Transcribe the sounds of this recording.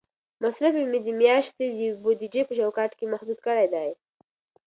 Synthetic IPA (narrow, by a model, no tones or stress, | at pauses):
masɾafemed̪əmjɑʃt̪ed̪əbod̪id͡ʒepət͡ʃawkɑʈkemahd̪ud̪kəɽajd̪aj